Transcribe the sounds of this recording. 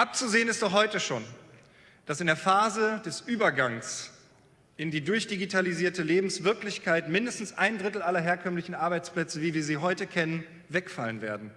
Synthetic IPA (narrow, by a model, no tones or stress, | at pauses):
ʔap̚t͡suzeːənɪstd̥ɔχhɔʏtəʃo̰ːn | d̥asɪndeːɐfaːzədɛsʔyːbɐɡaŋs | ʔɪndiːdʊɐçd̥iɡitʰaliziːɐtəleːbm̩sv̥ɪɐklɪçkʰaɪtmɪndəstn̩sʔaɪndʁɪtl̩alɐɦeːɐkʰœmlɪçn̩ʔaɐbaɪt͡spl̥ɛt͡səviːɐviːɐziːɦɔʏtəkʰɛnən | vɛkfalənvḛːɐdn̩